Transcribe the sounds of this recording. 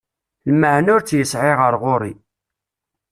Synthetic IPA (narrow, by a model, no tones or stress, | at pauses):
lməʕnʊɾt͡sːjəsʕɪʁəɾʁʊɾˤi